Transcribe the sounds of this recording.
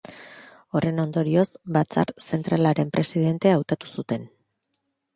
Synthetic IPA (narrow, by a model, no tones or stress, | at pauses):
o̞re̞no̞nd̪o̞ɾio̞sbat͡sa̰ɾse̞nt̪ɾalaɾe̞mpɾe̞siðe̞nt̪e̞awt̪at̪u̥sut̪e̞n